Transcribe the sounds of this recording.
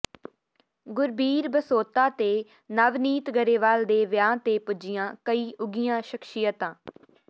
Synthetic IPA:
ɡʊɾbiːɾbəsoːt̪aːt̪eː | nəʋniːt̪ɡəɾeːʋaːld̪eːʋɪjãːt̪eːpʊd͡ʒɪjãːkəiːʔʊɡijãːʃəkʃɪjət̪ãː

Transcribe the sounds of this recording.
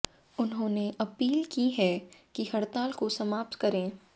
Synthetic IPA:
ʊnɦõːneʔɐpiːlkiɦɛkihɐɽt̪aːlkosɐmaːp̚t̪kɐɾẽː

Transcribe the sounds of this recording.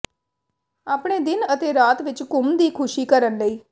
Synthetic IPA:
aːpɽ̃eːd̪ɪnət̪eːɾaːt̪ʋɪt͡ʃkʊmd̪iːkʰʊʃiːkəɾənləiː

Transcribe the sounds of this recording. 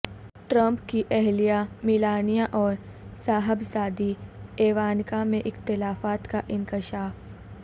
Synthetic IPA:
ʈɾə̃mpkiʔɛɦlijamɪlaːnijaʔɔːɾ | saːɦəbsaːd̪ieːʋaːnkamẽʔɪxt̪ɪlaːfaːt̪kaʔɪ̃nkɪʃaːf

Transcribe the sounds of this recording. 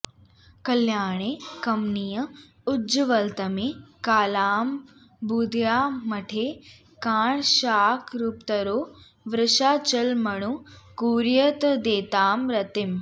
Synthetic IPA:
kɐljaːɳ̃ekɐmnijɐ | ʊd͡ʒʋɐlt̪ɐmekaːlaːm | buːd̪ʱjaːmɐʈʰeː | kaːɳʃaːkʰɾupt̪ɐɾoː | ʋɾɪʃaːt͡ʃɐlmɐɽ̃ukuːɾjɐt̪d̪eːt̪aːmɾɐt̪ɪm

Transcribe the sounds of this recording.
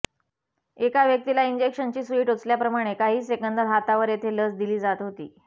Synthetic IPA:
ekaʋjək̚t̪ilaiɲd͡ʑekʂənt͡ɕiːsiːʈot͡sljapɾəmaɽ̃ekaɦiːsekənd̪əɾɦat̪aʋəɾjet̪ʰeləsd̪iliːd͡zat̪ɦot̪ḭː

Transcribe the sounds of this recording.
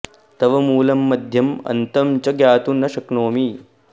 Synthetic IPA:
t̪ɐʋɐmuːlɐmːɐd̪ʱjɐmɐ̰nt̪ɐmt͡ʃɐɡjaːt̪unɐʃɐknoːmi

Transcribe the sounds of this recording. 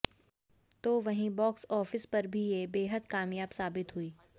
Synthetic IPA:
t̪oːʋɐɦĩbɔːksɔːfɪspɐɾbʱijebeːɦəd̪kaːmjaːbsaːbɪt̪ɦuiː

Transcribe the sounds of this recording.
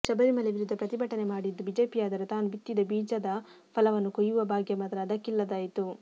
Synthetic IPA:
t͡ʃɐbɐɾimɐleʋiɾud̪ːɐpɾɐt̪ibʱɐʈɐne̞maːɽid̪ːubiːd͡ʒe̞ːpijaːd̪ɐɾet̪aːnubit̪ːid̪ɐbiːd͡ʒɐd̪ɐ | pʰɐlɐʋɐnːukojuʋɐbʱaːɡjɐmɐd̪ɐɾɐɐd̪ɐkːilːɐd̪aːjit̪u

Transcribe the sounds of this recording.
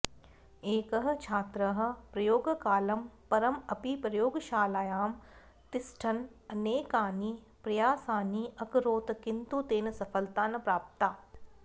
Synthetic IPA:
eːkɐɦɐ̆t͡ʃʰaːt̪ɾɐɦɐ̆pɾɐjoːɡkaːlɐmpɐɾɐmɐpipɾɐjoːɡʃaːlaːjaːm | t̪ɪsʈʰɐn | ɐneːkaːni | pɾɐjaːsaːniʔɐkɾoːt̪kɪnt̪ut̪eːnsɐfʰəlt̪aːnpɾaːp̚t̪aː

